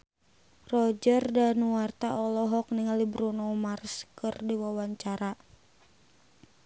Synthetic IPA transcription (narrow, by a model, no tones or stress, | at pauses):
rɔd͡ʒərdanuwart̪aɔlɔɦɔkniŋalibɾunɔmarskɨrdiwawaɲt͡ʃaɾa